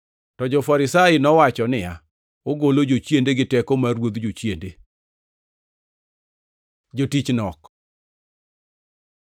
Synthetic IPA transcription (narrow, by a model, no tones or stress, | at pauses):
tɔd͡ʒɔfaɾɪsaɪnɔwat͡ʃɔnɪa | oɡolod͡ʒot͡ʃjendeɡɪtɛkomaɾwod̪d͡ʒot͡ʃjende | d͡ʒotit͡ʃnɔk